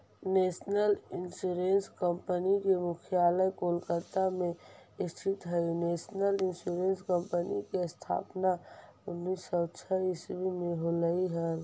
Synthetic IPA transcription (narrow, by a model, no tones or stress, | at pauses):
neːsnəlɪnsuɾẽnskəmpənikemʊkʰjaːləjkolkət̪amẽɪst̪ʰɪt̪ɦəineːsnəlɪnsuɾenskəmpənikest̪ʰa̰ːpnaʊnːisɔt͡ʃʰəisbimẽɦoləiɦəl